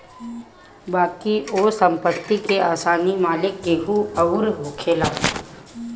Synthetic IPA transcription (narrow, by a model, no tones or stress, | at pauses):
baːkioːsə̃mpət̪ːikeaːsaːnimaːlɪkːeɦuɐɾɦoːkʰeːlaː